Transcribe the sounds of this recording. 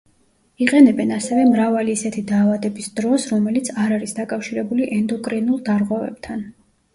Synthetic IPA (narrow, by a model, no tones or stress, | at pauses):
iqʼɛnɛbɛnasɛvɛmɾavaliːsɛt̪ʰid̪aːvad̪ɛbisd̪̥ɾɔsɾɔmɛlit̪sʰaɾaɾisd̪akʼafʃiɾɛbuliʔɛnd̪ɔkʼɾɛnulˠd̪aɾʁwɛvɛ̰b̥̚t̪ʰan